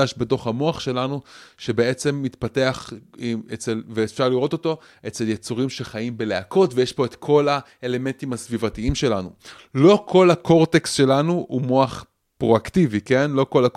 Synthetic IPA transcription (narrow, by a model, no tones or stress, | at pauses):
aʃbeto̞χhamo̞aχʃe̞lanuʃe̞be̞e̞t͡se̞mːitpate̞aχet͡selveːfʃaʁliʁo̞to̞t̪o̞ | ʔe̞t͡se̞ljet͡suʁimʃe̞χajimbe̞leakʰo̞tvejeʃpo̞et̪kʰo̞la | ele̞me̞ntimhasvivatiimʃe̞lanu | lo̞kʰo̞lako̞ʁte̞kstʃe̞lanuumo̞aχ | pʁo̞aktivike̞nlo̞ko̞lak